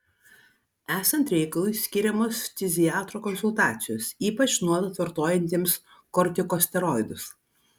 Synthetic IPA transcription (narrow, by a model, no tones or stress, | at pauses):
æːsɐnt̪ɾʲɛɪkɐlˠʊɪsʲkʲɪɾʲɛmoːst̪ʲɪzʲɪjɑːt̪ɾoːkɔnsʊlˠt̪ɑːt̪sʲɪjoːsiːpɐt͡ʃnuɔd̪t̪ʋɐɾt̪oːjɛnʲt̪ʲiːms | kɔɾʲt̪ʲɪkoːsʲt̪ʲɛɾɔɪd̪ʊs